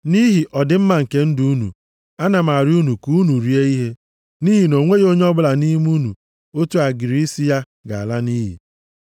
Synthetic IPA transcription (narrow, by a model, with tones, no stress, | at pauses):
ni˦ɦi˨ʔɔ˨dɪ˨˦m̩˦ma˨ŋ̩˨ke˦n̩˦du˦u˦nṵ˨ | a˦na˨ma˨ɾɪ˦u˦nu˨ku˦nu˨ɾi˦e˦i˦ɦe˦ | ni˦ɦi˨no˨ŋʷe˦o˦ɲe˦ɔ˦bʊ˦la˨ni˦m˦u˦nṵ˨ | o˦tu˦a˨ɡɪ˨ɾi˨i˦si˦ja˦ | ɡa˨a˨la˦niː˦ɦḭ˨